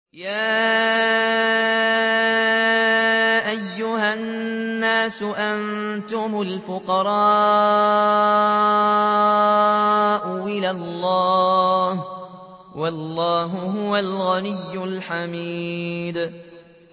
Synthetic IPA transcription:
jaː | ʔajːʊhanːaːsʊʔan | t̪ʊmʊlfʊqɑɾˤɑː | ʔʊwɪlalːɑːh | wɑlˤːɑːɦʊɦʊwalɣanɪjːʊlħamiːd̪

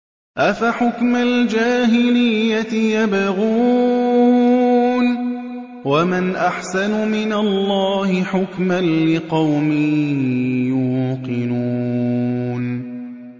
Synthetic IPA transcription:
ʔafaħʊkmald͡ʒaːɦɪlɪjːat̪ɪjabaɣuː | n | wamanʔaħsanʊmɪnalˤːɑːhɪħʊkmanlɪqɑwmɪ | juːqɨnuː | n

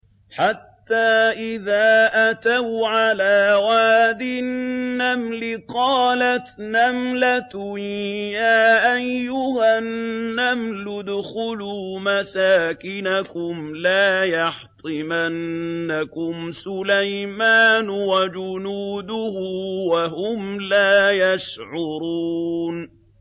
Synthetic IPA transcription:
ħat̪ːaːʔɪðaːʔat̪awʕalaːwaːd̪ɪnːamlɪqɑːlat̪namlat̪ʊjaːʔajːʊhanːamlʊd̪xʊluːmasaːkɪnakʊmlaːjɑħt̪ˤɨmanːakʊmsʊlajmaːnʊwad͡ʒʊnuːd̪ʊhʊwahʊmlaːjaʃʕʊɾuːn

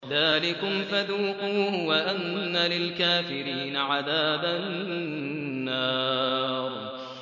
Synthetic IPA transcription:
ðaːlɪkʊmfaðuːquːhwaʔanːalɪlkaːfɪɾiːnaʕaðaːba | ɑːɾˤ

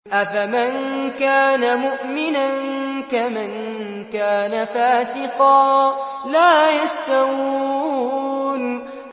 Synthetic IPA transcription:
ʔafamankaːnamʊʔmɪnankaman | kaːnafaːsɪqɑː | laːjast̪awuː | n

